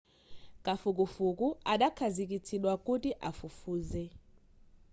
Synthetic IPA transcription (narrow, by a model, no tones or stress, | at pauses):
kʼafuk̬ʼufuk̬ʼuaɗakʰazik̬ʼit͡sʰiɗwakʼutʼiʔafufuːzɛ